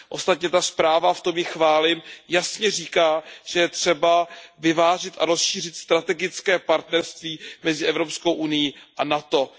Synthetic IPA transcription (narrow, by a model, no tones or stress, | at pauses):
ʔo̞st̪at̪ɲɛt̪aspɾaːvaft̪o̞mjɪxvaːlɪmjasɲɛriːkaːʒ̥ɛjɛt̪r̝̥ɛbavɪvaːʒɪt̪ʔaɾo̞sʃiːrɪt̪st̪ɾat̪ɛɡɪt͡skɛːpaɾt̪nɛɾst̪viːmɛzɪʔɛvɾo̞psko̞wʔunɪjiʔanat̪o̞